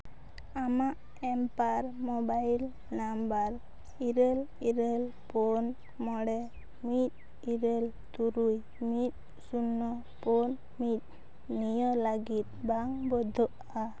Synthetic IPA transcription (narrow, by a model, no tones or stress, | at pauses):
amaʔ | ɛmpaɾmɔbajl | nambaɾ | iɾɛl | iɾeɛlpɔn | mɔɽɛ | mit̪̚ | iɾɛl | t̪uɾuj | mit̪̚ | sunːɔ | pɔn | mit̪̚ | nijɔlaɡit̪̚baŋbɔd̪ʱɔʔ | a